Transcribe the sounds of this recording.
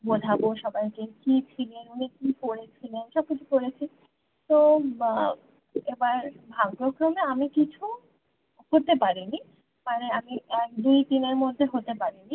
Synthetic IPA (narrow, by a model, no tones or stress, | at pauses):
bod̪ʱaboʃɔbajkekit͡ɕʰilenunikikoɽet͡ɕʰilenʃɔb̚kit͡ɕʰukoɾet͡ɕʰi | t̪o | ebaɾbʱaŋpɾokɾomeamikit͡ɕʰu | koɾt̪epaɾini | maneamiɛk̚d̪ujt̪ineɾmod̪ʱːeɦot̪epaɾini